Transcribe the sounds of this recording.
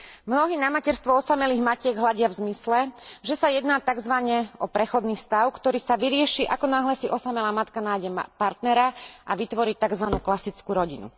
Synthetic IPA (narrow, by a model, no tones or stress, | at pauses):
mnɔɦiːnamacɛɾst̪ʋɔɔsamɛliːɣmacɪɛɡɦlaɟɪavzmislɛʒɛsajɛd̪naːt̪aɡzʋaɲɛɔpɾɛxɔd̪niːfst̪aʊkt̪ɔɾiːsaʋiɾɪɛʃiʔakɔnaːɦlɛsiʔɔsamɛlaːmat̪kanaːjɟɛmpaɾt̪nɛɾaʔaʋit̪ʋɔɾiːt̪aɡzʋanuːklasit͡skuːɾɔɟinṵ